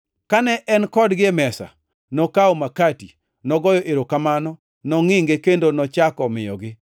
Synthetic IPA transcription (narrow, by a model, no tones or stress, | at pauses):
kanɛʔɛnkɔdɡɪmɛsa̰ | nɔkaomakati | nɔɡɔjɔʔeɾokamanɔ | nɔŋɪŋɡekendonɔt͡ʃakɔmɪjɔ̰ɡɪ